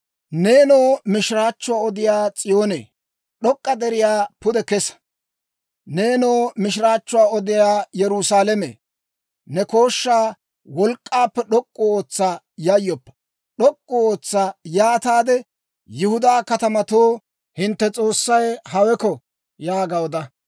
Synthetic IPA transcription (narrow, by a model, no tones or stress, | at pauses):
ne̞ːnoːmɪʃɾaːt͡ʃːʊwaːɔd̪ɪjaːt͡sʼɪjo̞ːnḛː | ɗɔkʼːɐd̪ɛɾɪjaːpʊd̪ɛkɛs | ne̞ːnoːmɪʃ̬ɾaːt͡ʃːʊwaːɔd̪ɪjaːjɛɾʊsaːlɛmḛː | nɛko̞ːʃːaː | wɔlkʼːaːpːɛɗɔkʼːɔoːt͡sːaː | jɐjːɔpːɐ̥ | ɗɔkʼːɔoːt͡sːaːjaːt̪aːd̪ɛ | jɪhʊd̪aːkɐt̪ɐmɐt̪oː | hɪnt̪ːɛt͡sʼo̞ːsːɐjhɐwɛkɔ | jaːɡɐɔd̪ɐ